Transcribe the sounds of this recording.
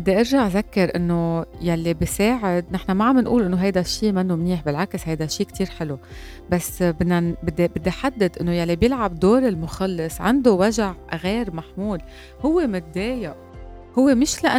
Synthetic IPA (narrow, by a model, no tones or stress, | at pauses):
bɪd̪ːeʔɪɾʒaʕzakːɪɾʔɪnːojalːibiseːʕɪd̪nɪħnamaʕamːɪnʔṵːlʔɪnːoɦajd̪aʃːiːmanːomniːħbɪlʕakshajd̪aʃiːkt̪ʰiːɾħɪlu | basːbɪnːabɪd̪ːebɪd̪ːiħad̪ːad̪ʔɪnːojalːibjɪlʕabd̪oːɾɪlmʊxɑlːɪsʕɪ̰nd̪owaʒaʕɣeːɾmaħmuːl | hʊwːemɪt̪̚d̪eːjaʔ | hʊwːemɪʃlaʔa